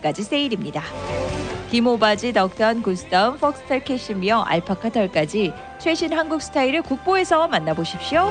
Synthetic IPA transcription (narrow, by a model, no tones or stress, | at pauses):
k͈ad͡ʑis͈ʰe̞iɾimɲida | kimobad͡ʑinʌk̚t͈ʌnkuɭsʰɯ̥t͈ʰʌɯnfʰʌk̚s͈ʰɯ̥tʰaɭkʰe̞ɕ͈ʰimjʌʔa̰ɭpʰakʰatʰʌɭk͈ad͡ʑi | t͡ɕʰwe̞ɕʰinɦanɡuk̚s͈ʰɯ̥tʰaiɾɯɭkuk̚p͈oe̞sʰʌmanːaboɕʰip̚ɕ͈io